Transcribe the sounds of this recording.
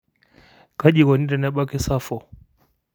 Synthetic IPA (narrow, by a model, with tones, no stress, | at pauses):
ka˦ʄi˨kɔ˨ni˦ɾɛ˨nɛ˦ɓa˦kɛ˦sa˦fɔ˨